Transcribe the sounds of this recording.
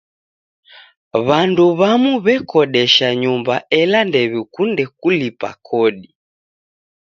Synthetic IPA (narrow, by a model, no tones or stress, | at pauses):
βanduβamuβɛkɔɗɛʃaɲumbaɛlandɛβikundɛk̚ulipa̰kʰɔɗi